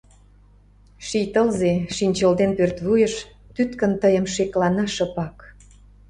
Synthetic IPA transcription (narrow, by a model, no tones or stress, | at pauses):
ʃijt̪əlzeʃinʲt͡ɕəld̪enpørt̪βujəʃt̪yt̪kə̆nt̪əjə̆mʃeklɑnɑʃəpɑk